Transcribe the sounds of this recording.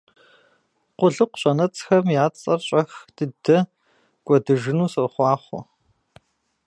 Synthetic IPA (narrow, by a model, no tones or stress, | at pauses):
qʷʊɮɨqʷɕʼɐnɐt͡sʼxɐmjaːt͡sʼɐrɕʼɐxd̥ɨdɐ | ɡʷʼɔdɨʒɨnuːsɐrχʷɑːχʷʊ̰